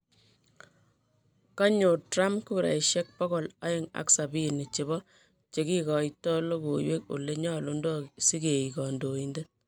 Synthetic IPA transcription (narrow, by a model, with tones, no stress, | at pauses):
ka˦ɲo˨tɾa˦mkuɾa̰˨iʃje˦k̚pɔ˦ɡɔ˨la̰˦ɪ˦˨ŋa̰˦ksa˨bi˦ni˨t͡ʃe˨˦bɔ˦ | t͡ʃe˨ki˦kɔ˨itɔ˦lo˦ko˨jwe˦ko̰˨le˦ɲɔ˦lo˦ndɔ˦si˦ke˨i˨kɔ˨ndo˨i˦nde˦